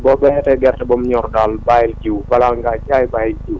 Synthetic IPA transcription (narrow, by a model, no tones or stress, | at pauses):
bɔbɛtɛɡɛrtɛbɔmɲɔɾdalbaɪld͡ʒubalaŋɡat͡ʃaɪbaɪld͡ʒu